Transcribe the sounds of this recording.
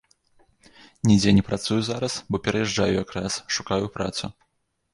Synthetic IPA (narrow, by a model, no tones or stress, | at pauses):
nʲid͡zʲɛnʲɛpɾat̪sujuzaɾɐsbɔpʲɛɾɐjɛʐd͡ʐajujakɾasʂukajupɾa̰t̪su